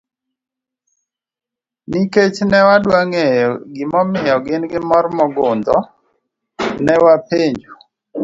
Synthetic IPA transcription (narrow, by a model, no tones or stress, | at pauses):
niket͡ʃnɛwadwaŋejɔɡɪmɔmɪjɔɡɪnɡɪmɔrmɔɡʊnd̪ɔ | nɛwapeɲd͡ʒu